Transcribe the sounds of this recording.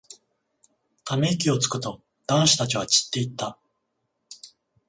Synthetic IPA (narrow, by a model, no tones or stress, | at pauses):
t̪ameikʲio̞t͡sɨ̥kɯ̟t̪o̞ | d̪̥ãɰ̃ɕi̥t̪at͡ɕiβ̞at͡ɕi̥t̪ːe̞it̪ːa